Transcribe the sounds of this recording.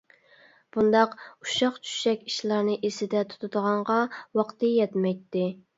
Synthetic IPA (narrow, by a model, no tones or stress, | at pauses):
b̥und̪ɑquʃɑqt͡ʃʰy̥ʃɛkʲiʃlˠɑɾnɨʔesɪd̪ɛt̪ʰu̥t̪ʰud̪əʁɑɴʁɑwɑqt̪ɨjɛt̪mɛjt̪ːɪ